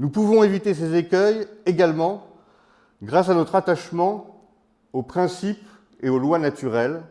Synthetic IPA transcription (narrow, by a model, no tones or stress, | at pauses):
nupuvɔ̃evit̪esezekʲœjeɡalmɑ̃ | ɡʁasanɔt̪χat̪aʃmɑ̃ | opχɛ̃sip | eolwanat̪yʁɛl